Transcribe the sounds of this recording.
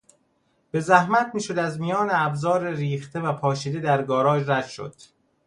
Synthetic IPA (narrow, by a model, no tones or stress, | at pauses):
b̥e̞zæhmæt̪ʰmiːʃo̞d̪æzmijɒːneæbzɒːɾeɾiːxt̪ʰe̞væpʰɒːʃiːd̪ed̪æɾɡɒːɾɒːd͡ʒræd̪̥ʃo̞̰d̪̥